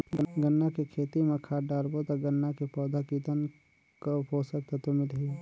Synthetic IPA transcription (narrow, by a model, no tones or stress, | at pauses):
ɡəɡənːakekʰeːt̪imẽkʰaːʈɖaːɾbot̪aɡənːakepɔːd̪akiːt̪ən | kopoːsəkt̪et̪omɪlɦi